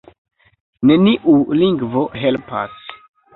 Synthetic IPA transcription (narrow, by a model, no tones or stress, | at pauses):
ne̞niʔuliŋɡvo̞ɦe̞lpa̰s